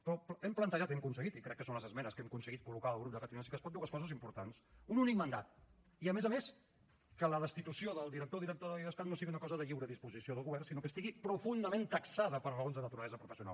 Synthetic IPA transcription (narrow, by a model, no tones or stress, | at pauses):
pɾɔpɛmplənt̪əʒat̪ɛmkunsəɣit̪ikɾɛkːəsonləzəzmɛnəskɛmkunsəɣit̪̚kulukaəlˠɣɾup̚d̪əkat̪nasikəspɔt̪d̪uwəskɔzəzimpuɾt̪ansununik̚mənd̪at̪̚ | iəmɛzəmes | kələðəst̪it̪usioðəlˠd̪iɾək̚t̪oðiɾək̚t̪oðəiðəspat̪nosiɣiunəkɔzəðəʎiwɾəðispuzisioðəlˠɣuβɛrnsinokəst̪iɣipɾufund̪əmẽnt̪əksaðəpəɾrəonzðənət̪uɾəlɛzəpɾufəsiuna̰l